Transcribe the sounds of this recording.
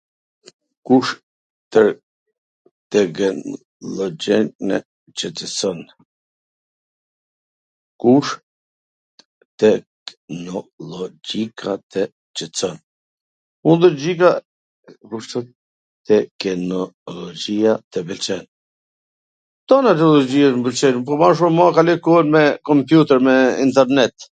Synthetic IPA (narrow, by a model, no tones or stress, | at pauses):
kuʃ | t̪ə | t̪ɛk | lɔd͡ʒɛnɛ̰ | t͡ʃət͡sɛt͡sɔn | kuʃ | t̪ɛ | nɔlɔd͡ʒikʰat̪ʰɛ | t͡ʃət͡sɔn | und̪əd͡ʑika | kuʃt̪ɔt̪ | t̪ɛkɛnɔlɔd͡ʒiat̪ɛbəlt͡ʃɛn | t̪ɔnat̪̬ɛlˠɔd͡ʑiaʃmbəlt͡ʃɛnpɔmaʃ̬umakalɛkuɛnmɛkɔmpjut̪ɛɾmɛḭnt̪ɛɾnɛt̪